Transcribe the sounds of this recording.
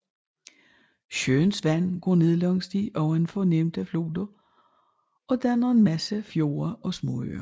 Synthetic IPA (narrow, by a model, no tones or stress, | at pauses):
ɕønsʋæn̰ɡ̥ɔ̰ne̝ðˠlɒ̽ŋsd̥iʔɒ̽ʊe̝nfɒnem̰d̥æflo̝ːd̥ɐ | ʔɒ̽d̥ænɐe̝nmæsəfjo̝̰ːɐʔɒ̽smɔ̰ø̰ːɐ